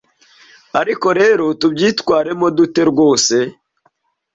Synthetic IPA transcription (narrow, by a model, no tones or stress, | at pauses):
aɾiko̞ɾe̞ːɾo̞tubɟiːtwaːɾe̞mo̞dute̞ɾɡwo̞ːse̞